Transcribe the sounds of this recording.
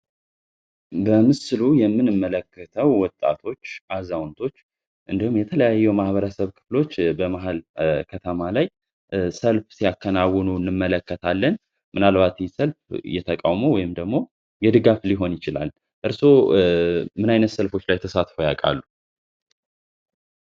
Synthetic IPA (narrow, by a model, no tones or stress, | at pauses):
bəmɨsɨlujɛmːɨnɨmːələkːət̪ʰəwːɔt̪ʼːa̰t̪ʰo̞t͡ʃːʔazawnt̪ʰo̞t͡ʃː | ʔɨnd̪əhumjɛt̪ʰələjajːɛwmahβəɾəsəβkʰɨ̥flo̞t͡ʃːbəmaɦalkʰət̪ʰəmalaj | səlfsijakʰːənawːɔnuɨnːɨmːələkːət̪ʰalːən | mɨnalbat̪səlfjɛt̪ʰəkʼawmowɔjɪmd̪əɡmo̞ | jɛd̪ɨɡafliɦo̞njɪt͡ʃɪla̰l | ʔɨɾso̞ | mɨnajnət̪səlfo̞t͡ʃːlajt̪ʰəsat̪fowjakʼa̰lːu